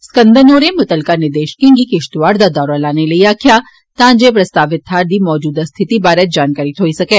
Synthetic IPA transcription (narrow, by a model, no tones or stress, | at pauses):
skə̃nd̪ʱənoːɾemʊt̪əlkanɪɾd̪eːʃkɪ̃ŋɡikɪʃt̪ʋaːɾd̪ad̪ɔːɾalaːnelɐiaːkʰja | t̪ãːd͡ʒepɾɐst̪aːʋɪt̪ɦaːɾd̪imɔːd͡ʒuːd̪ast̪ʰɪt̪ibaːɾɛt̪̚d͡ʒaːnkaːɾɪt̪ɦoːisɐkeː